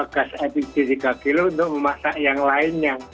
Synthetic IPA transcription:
akasɛpisidikakilund̪oməmasaʔjaŋlaɪnɲa

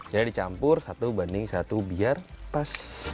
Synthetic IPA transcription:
d͡ʒadidit͡ʃampʊrsat̪ubandɪŋsat̪ubiarpas

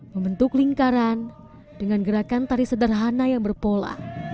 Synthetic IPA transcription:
məmbənt̪ʊkliŋkaɾan | dəŋanɡəɾakant̪aɾisədərɦanajaŋbərpola̰

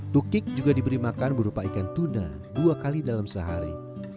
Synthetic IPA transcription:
t̪ukɪk̚d͡ʒuɡadibəɾimakanbəɾupaikant̪una̰ | duakalidalamsəɦa̰ɾḭ

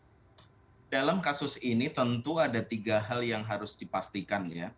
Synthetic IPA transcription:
dalamkasʊsinit̪ənt̪uadat̪iɡaɦaljaŋɦaɾʊsdipast̪ikanja

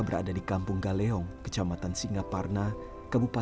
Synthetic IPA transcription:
bəɾa̰dadikampʊŋɡalɛɔŋkə̥t͡ʃamat̪ansiŋɡaparna | kabupa

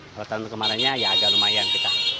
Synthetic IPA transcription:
ot̪ankəmaɾaɲajaːd͡ʒalumajaŋkit̪a

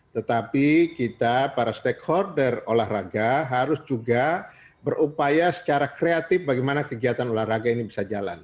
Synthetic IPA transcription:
t̪ət̪apikit̪apaɾast̪ɛkhɔrdərolahraɡaɦaɾʊsd͡ʒuɡa | bərʔupajasə̥t͡ʃaɾakɾeat̪ɪfbaɡimanakəɡiat̪anolahraɡainibisad͡ʒala̰n

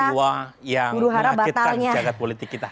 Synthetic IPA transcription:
wajaɡuɾuɦaɾabat̪alɲad͡ʒaɡat̪̚polit̪ɪkːit̪a

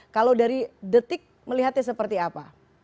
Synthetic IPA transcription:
kalawdaɾidət̪ɪk̚məliɦat̪̚ɲas̬əpərt̪iapa

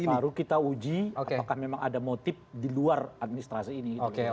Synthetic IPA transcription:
baɾukit̪aud͡ʒiakpakahmemaŋadamot̪ɪf̚diluarat̪̚minist̪ɾasiːnikitoke

